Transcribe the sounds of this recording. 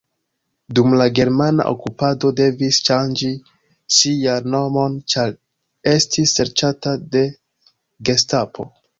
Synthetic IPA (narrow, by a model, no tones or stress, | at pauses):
dumlaɡe̞ɾmana̰ʔo̰kupado̞de̞visʃand͡ʒi | ʃijanno̞mo̞nt͡ʃaɾ | e̞stisːe̞ɾt͡ʃatade̞ | ɡe̞stapʰo̞̰